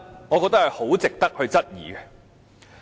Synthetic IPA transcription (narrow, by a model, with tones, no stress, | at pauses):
ŋɔː˨˧kɔ˧k̚t̪ɐ˥khɐ˨jho˨˥wt͡sɪ˨k̚t̪ɐ˥k̚hɵ˧ɥt͡sɐ˥t̚jiː˨˩ɡɛ˧